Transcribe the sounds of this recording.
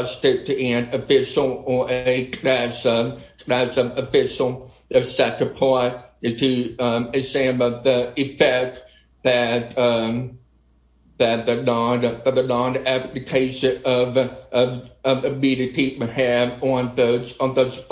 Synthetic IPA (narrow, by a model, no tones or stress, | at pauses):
stɨd̚tʰɨɛ̃nɨfɪʃl̩ˠə˞ʔɨkʰl̥æsʌvkʰl̥æsʌvɨfɪʃl̩ˠ | ɨsɛtʰɨpʰɔɪt̚tʰɨʌ̃ɨsɛ̃mʌvðiɨfɛk̚t̪̚ | ðɨt̪̚ʌ̃ | ðɨt̪̚ðɨnɑ̃n̚ðɨnɑ̃næpʰlɨkʰeɪʃɨ̃nʌvʔʌvʌvɨmiɾɨpʰipmɨ̃nɨvnðoʊz̥ən̩ðoʊz̥f